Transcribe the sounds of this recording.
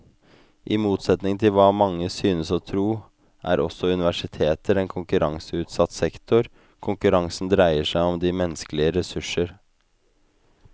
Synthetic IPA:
ʔɪmuːt̪sɛt̪nɪŋt̪ʰɪlʋɑːmɑŋːəsyːnəsɔt̪ʰɾuː | ʔæ̰ːɾʔɔsːɔʉnɪʋæʂɪt̪ʰeːt̪əɾɛnkʰʊŋkʉɾɑŋsəʉːt̪sɑt̪ːsɛkt̪ʰʊɾ | kʰʊŋkʉɾɑŋsn̩d̪ɾæɪəʂæɪɔmd̪ɪmɛnskəlɪəɾɛsʉʂəɾ

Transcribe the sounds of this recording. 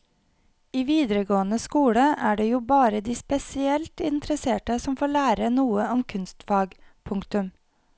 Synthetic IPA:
iːʋiːd̪ɾəɡoːənəskuːɽəʔæːɖeːjuːbɑːɾəd̪iːspɛsɪɛlt̪ɪnt̪ʰɾəseːʈəsɔmfoːɭæːɾənuːəɔmkʰʉnst̪fɑːɡpʰʊŋkt̪ʉm

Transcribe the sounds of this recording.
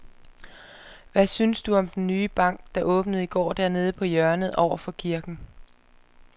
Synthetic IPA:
ʋæsynsd̥uɒ̽md̥enːyːb̥ɑ̈ŋ̰ɡ̥d̥ɑ̈ʔɔ̽ːb̥nəð̞̩ˠiɡ̥ɒ̰ːd̥æɐne̝ːð̞ˠəpʰɒ̽jœɐnəð̩ˠʔɒʊ̰ɐfɒ̽kʰiɐɡ̥n̩

